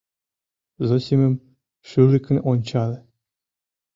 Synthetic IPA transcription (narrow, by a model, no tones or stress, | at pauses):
zosʲimʲɘ̆m | ʂylʲɘ̆kʲnʲḛ̆ʔonʲt͡ɕɑlʲɘ̆